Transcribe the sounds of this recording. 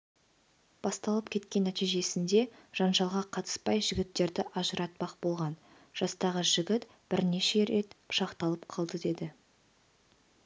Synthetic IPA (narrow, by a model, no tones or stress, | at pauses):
b̥ɑst̪ɑlˠəp̚kʲʰe̞t̪kʲe̞nːæt̪ijʒe̞sɪnd̪e̞ʒ̥ɑnʒɑlˠʁɑqʰɑt̪ə̥spɑjʒɪɡʲɪt̪ːe̞ɾd̪ɪʔɑʒəɾɑt̪̚bɑq̚bo̞lˠʁɑn | ʒ̥ɑst̪ɑʁəʒɪɡʲɪt̪ | b̥ɪɾne̞ʃe̞ɾe̞t̪ʃɑqt̪ɑlˠəpqʰɑlˠd̪əd̪e̞d̪ɪ